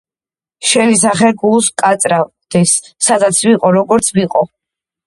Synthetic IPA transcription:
ʃɛnis̬aχɛɡulˠskʼat̪sʼɾa | d̪̥ɛsːad̪at̪sʰviqʼɔɾɔɡɔɾt̪sʰviqʼɔ

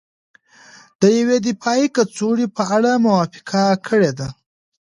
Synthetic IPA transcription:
d̪̥əjawed̪ɪpɑikat͡soɽipəaɽamʊwɑfɪ̥qakʰəɽed̪a

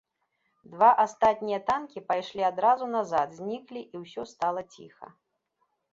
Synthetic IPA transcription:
d̪vaʔast̪at̪̚ʲnʲijɐt̪ankʲipajʂlʲiad̪ɾazunazad̪zʲnʲiklʲiʔiwsʲɔst̪alˠɐt͡sʲḭxɐ̰

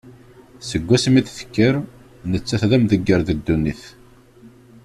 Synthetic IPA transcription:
səɡʷːæsəmiθθə̥kːəɾ | nət͡sːæθðæmðəɡːəɾðəd̪ːuniθ

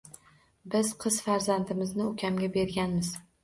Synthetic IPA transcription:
bɪz̥qʰɨz̥faɾzant̪ɪmɪznɪʊkʲʰamɡʲabe̞ɾɡʲanmɪz̥

